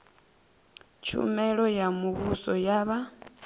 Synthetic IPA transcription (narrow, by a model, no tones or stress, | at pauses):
t͡ʃṵmɛɺojamuβusojaβa